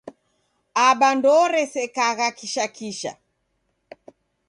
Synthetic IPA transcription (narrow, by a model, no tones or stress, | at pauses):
aɓandɔɾɛsɛkaɣakiʃakiʃa̰